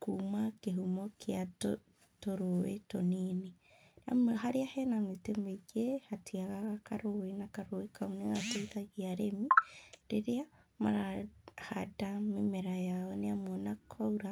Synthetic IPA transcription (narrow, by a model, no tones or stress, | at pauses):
kumakeɦumɔkʰeat | toɾowḛtonini | a̰mhaɾeahɛnametemeɡehatʰiaɣaɣakaɾowenakaɾowekauneɣatoiðaɣiaɾemiɾeɾeama̰ɾahadamemeɾajaɔneamɔnakʰɔuɾa